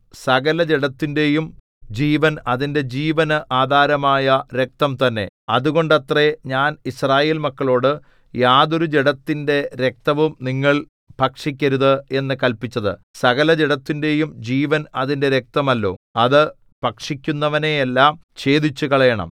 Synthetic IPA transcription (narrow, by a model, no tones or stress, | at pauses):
sɐɣɐlɐd͡ʑeɽɐt̪ːinde̞jum | d͡ʑiːʋɐnɐðinde̞d͡ʑiːʋɐnɨʔaːd̪ʱaːɾɐmaːjɐɾe̞k̚t̪ɐmt̪ɐnːe̞̰ɐðuɣo̞ɳɖɐt̪re̞ɲaːnisraːje̞ːlmɐkːɐɭo̞ːɽɨ | jaːðo̞ɾud͡ʑeɽɐt̪ːinde̞ɾek̚t̪ɐʋumniŋːɐɭ | pɐkʂikʲːɐɾuðɨe̞nːɨkɐlpit͡ɕːɐðɨ̰sɐɣɐlɐd͡ʑeɽɐt̪ːinde̞jumd͡ʑiːʋɐnɐðinde̞ɾe̞k̚t̪ɐmɐlːo̞̰ːɐðɨ | pɐkʂikʲːunːɐʋɐne̞elːaːm | t͡ɕe̞ːd̪it͡ɕːuɣɐɭɐjɐɳɐ̰m